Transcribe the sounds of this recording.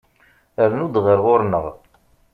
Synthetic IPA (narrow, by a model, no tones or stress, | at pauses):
əɾnud̪ʁəɾʁʊɾnəʁ